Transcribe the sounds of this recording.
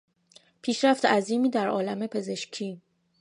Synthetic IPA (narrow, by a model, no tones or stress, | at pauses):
pʰiːʃɾæft̪eæziːmiːd̪æɾʔɒːlæme̞pʰe̞ze̞ʃcʰiː